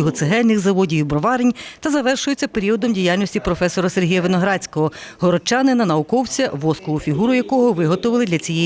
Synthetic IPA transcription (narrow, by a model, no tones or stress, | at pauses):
ɔɦɔt̪sɪɦɛlʲnɪxzɐʋɔdʲijubɾɔʋɑɾɪnʲt̪ɐzɐʋɛrʃʊjʊt͡sʲːɐpeɾʲiɔd̪ɔmdʲijalʲnɔsʲtʲipɾɔfɛsɔɾɐserɦijɐʋɪnɔɦɾɑt͡sʲkɔɦɔɦɔɾɔt͡ʃɑnɪnɐnɐʊkɔwt͡sʲɐʋɔskʋˠʊfʲiɦuɾʊjɐkɔɦɔʋɪɦɔt̪ɔʋɪlˠɪd̪lʲɐt͡sʲijɛ